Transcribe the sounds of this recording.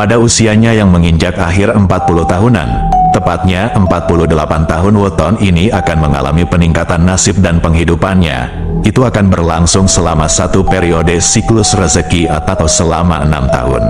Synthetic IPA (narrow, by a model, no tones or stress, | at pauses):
padausiaɲajaŋməŋiɲd͡ʒakaɦɪrəmpat̪̚puluht̪aɦuna̰nt̪əpat̪̚ɲaʔəmpat̪̚puluhdəlapant̪aɦʊnwət̪ɔniniakanməŋa̰la̰mipəniŋkat̪anːasɪp̚danpəŋɦidupanɲa̰ | it̪uakanbərlaŋsʊŋsəlamasat̪upeɾiodesiklʊsrəzəkiat̪at̪awsəlama̰əna̰mt̪a̰ɦʊ̰n